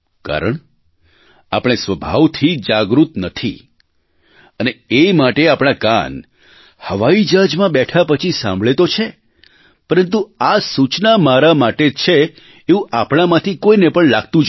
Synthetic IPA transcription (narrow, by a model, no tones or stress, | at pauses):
ka̰ɾəɳ | a̰pəɳ̃esʋəbʱaʋt̪ʰid͡ʒaɡɾut̪nət̪ʰi | əneemaʈeapɽ̃aka̰n | həʋaid͡ʒad͡ʒmãɓɛʈʰapət͡ʃʰisã̰mbʱɭet̪ot͡ʃʰe | pəɾənt̪̬uasut͡ʃnamaɾamaʈet͡ʃʰeː | ũʔapɳ̃amãt̪ʰikoinepəɳlaɡt̪ũ